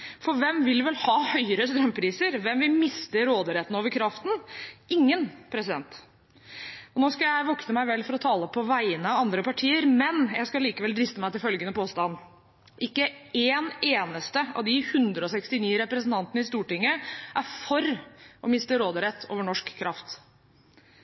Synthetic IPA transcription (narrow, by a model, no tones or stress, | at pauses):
fɔɾʋɛmʋɪlʋɛlhɑːhœʏəɾəst̪ɾœmːpʰɾiːsəɾʋɛmʋɪlmɪst̪əɾoːd̪əɾɛt̪ːən̩oːʋəɾkʰɾɑft̪n̩ɪŋːənpʰɾɛsɪd̪ɛnt̪ | ɔnoːskɑjæɪʋɔknəmæɪʋɛlːfɔɾɔt̪ʰɑːləpʰɔʋæɪənəɑɑnd̪ɾəpɑʈʰiːəɾmɛnjæɪskɑliːkəʋɛld̪ɾɪst̪əmæɪt̪ɪlfœlɡənəpoːst̪ɑnː | ʔɪkːəeːneːnəst̪əɑ̰ʋd̪ɪhʉnd̪ɾəɔsɛkst̪ɪniːɾɛpɾəsənt̪ʰɑnt̪ənəɪst̪uːʈɪŋːəʔæɾfɔɾʔɔmɪst̪əɾoːd̪əɾɛt̪ʰːo̰ːʋəɳɔʂkʰːɾʔɑft̪